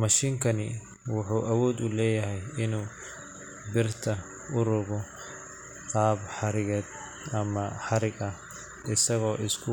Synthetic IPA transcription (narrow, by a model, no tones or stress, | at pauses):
mɐʃiːŋkʰɐnɪ | wʊħuːʔɐwɔːd̪ʊlɛːjɐɦɛjɪnuː | bɪrt̪ʰɐ | ʔʊɾʊɣɔ | qɑːbħɑɾɪɣɛːd̪ | ɐmɐħɑɾɪɡɐ | ɪsɐɣɔːʔɪskʰʊ